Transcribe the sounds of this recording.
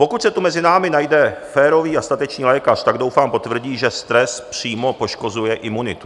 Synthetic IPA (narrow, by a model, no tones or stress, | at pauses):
po̞kut̪sɛt̪umɛzɪnaːmɪnajdɛfɛːɾo̞viːast̪at̪ɛt͡ʃɲiːlɛːkart̪aɡdo̞wfaːmpo̞t̪vr̩ɟiːʒɛst̪ɾɛspr̝̥iːmo̞po̞ʃko̞zujɛʔɪmunɪt̪u